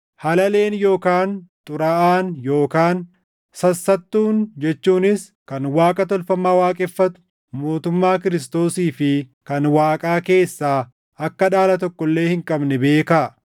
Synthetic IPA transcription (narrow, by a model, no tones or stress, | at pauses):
hɐlɐle̞ːnjo̞ːkaːnt̪ʼʊɾɐʔaːnjo̞ːkaːn | sɐsːɐt̪ːuːnd͡ʒɛt͡ʃːuːnɪs | kɐnwaːkʼɐt̪ɔlfɐmaːwaːkʼɛfːɐt̪ʊ̥ | mo̞ːt̪ʊmːaːkɪɾɪs̬t̪o̞ːsiːfɪkɐnwaːkʼaːke̞ːsːaː | ɐkːɐᶑaːlɐt̪ɔkːɔlːe̞ːhɪŋkʼɐbnɛbe̞ːka